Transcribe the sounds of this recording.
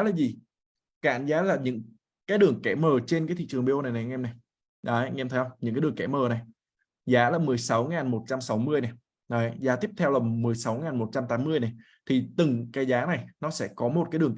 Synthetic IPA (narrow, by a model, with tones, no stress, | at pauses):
laː˨˩zi˨˩ | ka̰ː˧˩˨nzaː˨˦laː˨˩ɲɨ̰˧˥ŋ | kaː˨˦jɗɨ˨˩əŋkɛ˧˩məː˨˩t͡ɕe˧nkaː˨˦t̪ḭ˧˨t͡ɕɨ˨˩ŋɓe˧ʔo˧na˨˩jna˨˩˧ʔɛ˧mna˨˩j | ɗa˨˦˧ɛ˧mt̪ʰə˨˦jhə˧ŋ͡mɲɨ̰˧˥ŋkaː˦ɗɨ˨˩əŋkɛ˧˥˩məː˨˩na˨˩j | zaː˨˦laː˨˩mɨ˨˩əjsa˨˦wŋaː˨˩nmo˨˩t̚t͡ɕa˧msa˨˦wmɨ˧əjnɛ˨˩ | nɔ˨˦jzaː˨˦t̪i˦˥əp̚t̪ʰɛ˧wlə˨˩mɨ˨˩əjsa˨˦wŋaː˨˩nmo˨˩t̚t͡ɕa˧mt̪aː˨˦mɨ˧əjna˨˩j | t̪ʰi˨˩t̪ɨ˨˩ŋkaː˨˦jzaː˨˦na˨˩jnɔ˨˦sɛ̰˧˥˩kɔ˨˦mo˨˩t̚kaː˨˦jɗɨ˨˩əŋ